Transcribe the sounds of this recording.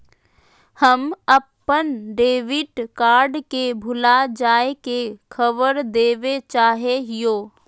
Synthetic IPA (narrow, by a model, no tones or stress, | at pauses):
həməpːənɖeːʋɪʈkaːɾɖkebʱʊlad͡ʒaːekekʰəʋəɾd̪eːʋet͡ʃaːɦeɦijoː